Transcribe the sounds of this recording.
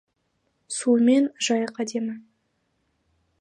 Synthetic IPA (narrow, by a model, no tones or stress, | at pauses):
sume̞nʒɑjəqɑd̪e̞mɪ